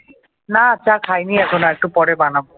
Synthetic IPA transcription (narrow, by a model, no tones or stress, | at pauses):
nat͡ɕakʰajniɛkʰonoɛk̚ʈupɔɽebanabo